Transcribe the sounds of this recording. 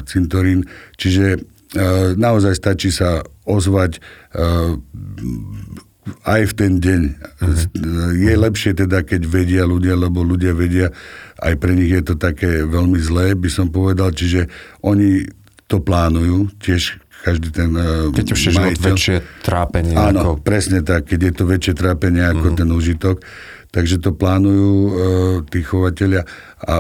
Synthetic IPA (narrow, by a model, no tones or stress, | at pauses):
t͡sint̪ɔɾiːnt͡ʃiʒɛ | naɔzajst̪at͡ʃisaɔzʋac | ajft̪ɛnɟɛɲ | jɛlɛpʃɪɛt̪ɛd̪akɛɟʋɛɟɪaluɟɪalɛbɔluɟɪaʋɛɟɪaʔa̰jpɾɛɲiɣjɛt̪ɔt̪akɛːʋɛlmizlɛːbisɔmpɔʋɛd̪alt͡ʃiʒɛʔɔɲi | t̪ɔplaːnujuːcɪɛʃ | kaʒd̪iːt̪ɛnkɛuɛmaiʋɛlt͡ʃɛt̪ɾaːpɛɲɪanɔpɾɛsɲɛt̪akːɛɟjɛt̪ɔʋɛt͡ʃɪɛt̪ɾaːpɛɲɪɛakɔt̪ɛnuːʒit̪ɔk | t̪aɡʒɛt̪ɔplaːnujuːt̪iːxɔʋacɛʎɪa | a̰